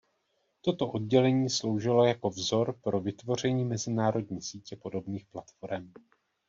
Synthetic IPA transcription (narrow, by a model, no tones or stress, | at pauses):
t̪o̞t̪o̞ʔo̞d̚ɟɛlɛɲiːslo̞wʒɪlo̞jako̞vzo̞ɾpɾo̞vɪt̪vo̞r̝ɛɲiːmɛzɪnaːɾo̞dɲiːsiːcɛpo̞do̞bniːxplat̪fo̞ɾɛm